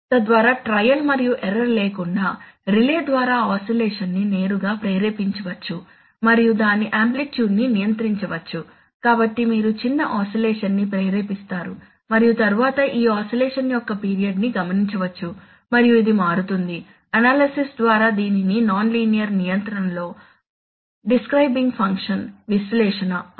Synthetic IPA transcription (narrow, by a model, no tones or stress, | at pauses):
t̪ɐd̪ʋaːɾaːʈɾɐjɐlmɐɾijuʔɛɾɐɾleːkuɳɖaːɾileːd̪ʋaːɾaːaːsilɛːʂɐnːine̞ːɾuɡaːpɾɐjɾeːpiɲt͡ʃɐʋɐt͡ʃːu | mɐɾijud̪aːniʔaːmplikt͡ʃjuːɖninijɐnt̪ɾiɲt͡ʃɐʋɐt͡ʃːu | kaːbɐʈːimiːɾut͡ʃinːɐʔaːsɐlɛːʂɐnːipɾɐjɾeːpist̪aːɾu | mɐɾijut̪ɐɾuʋaːt̪ɐʔiːaːsɐlɛːʂɐnːijɔkːɐpiːɾijɐɖniɡɐmɐniɲt͡ʃɐʋɐt͡ʃːu | mɐɾijuid̪imaːɾut̪und̪i | ɐnaːlɐsisd̪ʋaːɾaːd̪iːnininaːnliːnijɐɾnijɐnt̪ɐɾɐmlo̞ː | ɖiskɾɐjbiŋɡpʰɐŋkʂɐnʋislɛːʂɐnɐ